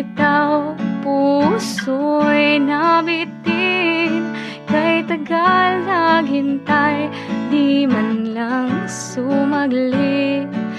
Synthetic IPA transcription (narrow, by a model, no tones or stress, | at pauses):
t̪awpusojnabit̪in | kɐjt̪ɐɡalnɐɡɪnt̪aj | d̪imɐnlɐŋsumɐɡli